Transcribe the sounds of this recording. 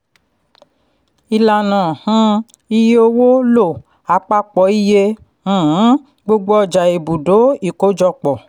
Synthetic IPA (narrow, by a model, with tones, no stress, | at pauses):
i˧la˨nã˨hã˦ | i˧je˦o˧wo˦lo˦˨ | a˨˧˦k͡pa˧k͡pɔ˨i˦jẽ˧˨˦ | ɡ͡bo˧ɡ͡bo˦ɔ˧d͡ʒa˨e˨bu˨do˨˦i˨ko˨˦d͡ʒɔ˧k͡pɔ˨